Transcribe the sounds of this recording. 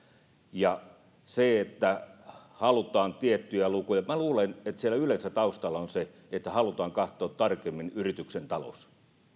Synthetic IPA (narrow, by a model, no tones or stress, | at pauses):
jɑ | seet̪ːæhɑlut̪ˑɑːnt̪iet̪ːyjælukujɑmæluːlenet̪sielˑæylensæt̪ɑust̪ɑlːˑɑonse | et̪ːæhɑlut̪ɑːŋkɑht̪ˑoːt̪t̪ɑrkemːinyrit̪yksent̪ɑlo̰s